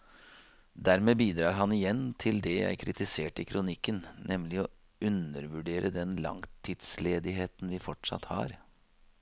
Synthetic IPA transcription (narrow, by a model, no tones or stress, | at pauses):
d̪æɾmeːbiːd̪ɾɑːɾɦɑnɪjɛnːt̪ʰɪld̪ɛjæ̰ɪkʰɾɪt̪ɪseːʈɪkʰɾʊnɪkːənnʔɛmlɪɔ | ʉnəɾʋʉɖeːɾʔəd̪ɛnlɑ̰ŋt̪ʰid̪sleːd̪ɪɦeːt̪n̩ʋɪfɔʈʂɑ̰t̪hɑ̰ːɾ